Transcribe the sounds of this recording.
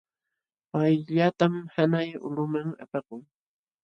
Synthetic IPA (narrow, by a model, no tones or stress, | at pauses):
pajʎat̪amhanajʊ̰lʊmaŋa̰pɑqʊŋ